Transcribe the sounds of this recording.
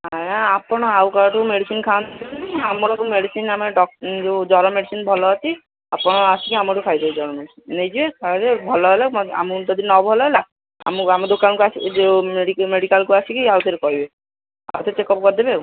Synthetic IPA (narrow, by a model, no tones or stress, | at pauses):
aaapɔɽ̃ɔawkaʈumeɽisinkʰawnt̪ʰikitikiamɔɾɔkumeɽisinameɖɔd͡ʒed͡ʒɔɾɔmeɽisinbʱɔlɔat͡ʃʰi | apɔɽ̃ɔasikiamɔʈukʰajd̪ed͡ʒɔɾɔmeɖisinːejd͡ʒibekʰad̪ebʱɔlɔɦelaa̰mnʈɔd̪inːɔbʱɔlɔɦela | a̰mamɔd̪okankuasid͡ʒeeɖikmeɽikalkuasʰikiawt̪eɾekɔɦibe | a̰wt̪ʰet͡ʃekɔpkɔɾd̪ebe